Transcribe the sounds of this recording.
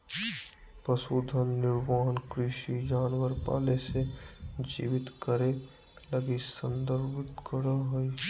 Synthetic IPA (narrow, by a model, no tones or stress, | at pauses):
pɾəsoːd̪ʱənːɪɾʋaːɦənkɾɪʃid͡ʒaːnwəɾpa̰ːlesed͡ʒḭːʋɪt̪kəɾe | ləɡisə̃nd̪əɾbɪt̪kəɽaɦoi